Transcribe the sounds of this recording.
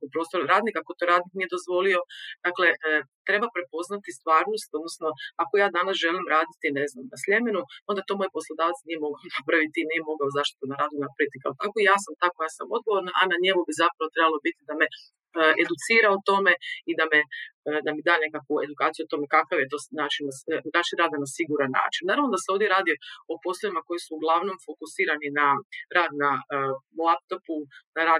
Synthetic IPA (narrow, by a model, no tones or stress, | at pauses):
pɾo̞ːst̪o̞ɾɾaːd̪nikakot̪oːɾaːd̪niknije̞d̪o̞zʋo̞lio̞d̪̥akle̞t̪ɾe̞bapɾe̞po̞znat̪ist̪ʋaːɾnost̪o̞d̪nosno̞ako̞jaːd̪anasʒe̞limɾaːd̪it̪ine̞znamnasʎʲe̞menuo̞nd̪at̪omo̞jpo̞slˠod̪aːʋat̪snije̞mo̞ɡaonapɾaʋit̪iniːjemo̞ɡaozaʃt̪i̥t̪unaɾaːd̪nunapɾit̪ikaot̪akoijaːsamt̪akojaːsa̰mo̞d̪̚ɡoʋoɾnaʔanaɲe̞mubizapɾaʋot̪ɾe̞balobit̪id̪ame̞ | ʔed̪ut̪siːɾaot̪o̞me̞id̪amed̪amid̪aːne̞kakʋue̞d̪ukaːt̪sijuot̪o̞me̞kakaʋjet̪o̞ːnaːt͡ʃinanaːt͡ʃinɾaːd̪anasiɡuɾanːa̰ːt͡ʃinnːaːɾaʋnod̪aseo̞ʋd̪jeɾaːd̪ioo̞po̞slˠoʋimako̞jisuːɡlˠaʋno̞mfo̞kusiːɾaninaɾaːd̪nalˠap̚t̪opunaɾaː